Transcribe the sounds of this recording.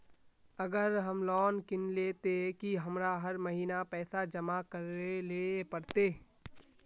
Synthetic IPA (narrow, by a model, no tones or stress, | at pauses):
əɡəɾɦəmlɔːnkɪnleːt̪ekiɦɐmɾaɦəɾməɦiːnapɛːsad͡ʒəmakəɾelepəɾt̪eː